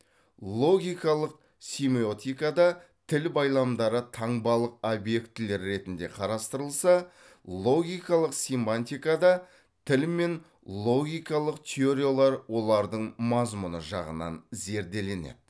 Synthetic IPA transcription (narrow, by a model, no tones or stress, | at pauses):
lˠo̞ɡʲijkɑlˠəq̚ | sʲimio̞t̪ʲijkɑd̪ɑ | t̪ʰɪlbɑjlˠɑmd̪ɑɾət̪ʰɑɴbɑlˠəq̚obje̞kt̪ɪle̞ɾːe̞t̪ɪnd̪e̞̰qʰɑɾɑst̪əɾəlˠsɑ | lˠo̞ɡʲijkɑlˠəqsimpanʲt̪ʲijkɑd̪ɑ | t̪ʰɪlme̞n | lˠo̞ɡʲijkɑlˠəqt̪ʲʰeo̞ɾʲijolˠɑɾwo̞lˠɑɾd̪əɴmɑzmunəʒɑ̰ʁə̰nɑ̰nze̞ɾd̪e̞le̞nḛd̪ɪ